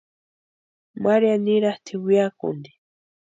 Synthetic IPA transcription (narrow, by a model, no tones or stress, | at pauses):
maɾjaniɾaht̪ʰiwiakṵnd̪i̥